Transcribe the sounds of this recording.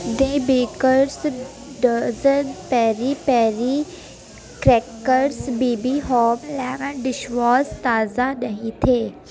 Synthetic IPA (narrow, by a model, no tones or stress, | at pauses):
d̪ẽːbeːkəɾs | ɖəzənpɛːɾipɛːɾi | kɾeːkəɾsbiːbiɦɔːmlɛːɡə̃ɖɪʃʋaːst̪aːzanɐɦĩt̪ʰeː